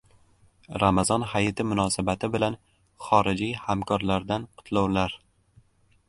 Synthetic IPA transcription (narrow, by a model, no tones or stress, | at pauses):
ɾamazɒnɦajɪt̪ʰɪmʊnɒsabat̪ʰɪbɪlan | χɒɾɪd͡ʒijhamkʰɒɾlaɾd̪anqʰʊ̥t̪ʰlawlaɾ